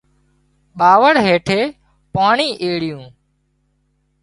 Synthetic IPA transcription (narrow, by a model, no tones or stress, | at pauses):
ɓaːʋəɽɦeːʈʰeː | paːɳiːʔeːɽɪjũː